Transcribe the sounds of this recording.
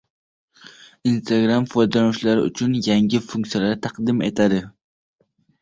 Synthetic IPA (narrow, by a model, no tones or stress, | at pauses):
inst̪ʰaɡɾamfojd̪alaʊʃlaɾɪʊ̰t͡ʃʰʊnjaŋɡʲɪfuŋʲkt̪sijalaɾt̪ʰɑqd̪ɪme̞̰t̪ʰad̪ɪ